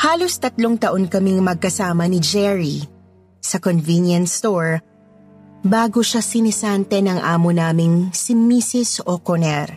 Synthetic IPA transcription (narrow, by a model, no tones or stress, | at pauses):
haːlo̞st̪ɐt̪loŋt̪ɐʔonkɐmiŋmɐɡ̚kɐsaːmɐnɪd͡ʒɛɹi | sɐkonvinjɐnst̪oɹ | baːɡoʃasɪnɪsant̪ɛnɐŋʔaːmonaːmɪŋsimisɪsokonɛɾ